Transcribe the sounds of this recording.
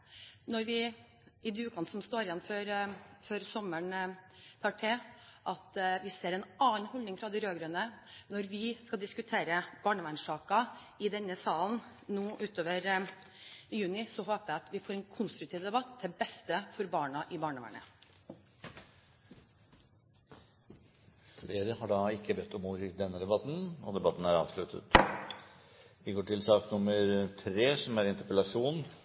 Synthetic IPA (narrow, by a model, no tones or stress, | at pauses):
nɔɾʋɪ | ɪd̪ʉːkʰɑnsɔmst̪oːɾjɛnføɾføɾsɔməɳt̪ʰɑːʈʰeʔɑt̪ʋɪseːɾɛnɑːnhɔld̪ɪŋfɾɑd̪ɛɪɾøːɡɾœnənɔɾʋɪskɑld̪ɪskʉt̪ʰeːɾəb̥ɑːɳəʋænʂɑːkɑ | ɪd̪ɛnːəsɑːln̩ | nuːʔʉːt̪oːʋəɾ | jʉːnɪsɔɦoːpəæɑt̪ʋɪfoːɾɛnkʰʊnst̪ɾʉk̚t̪ʰiːʋd̪ɛbɑt̪d̪ɛbɛst̪əfɔɾbɑːɳɑʔɪbɑːɳəʋæ̰ɳə̰ | fleːɾəhɑɖɑːɪkːəbɛt̪ːɔmuːɾɪd̪ɛnːəd̪ɛbɑt̪ːn̩ɔ̰d̪ɛbɑt̪ːn̩æɾɑ̰ːʋʂlʉt̪ʰə̰t̪ | ʋɪɡoːʈʰɪlsɑːknʊməɾt̪ʰɾeːsɔmæɾɪnt̪əɾpəlɑʂuːn